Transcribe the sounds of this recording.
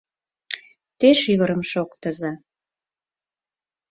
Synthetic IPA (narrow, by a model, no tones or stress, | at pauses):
t̪eʃiɣəɾəmʃokt̪əzɑ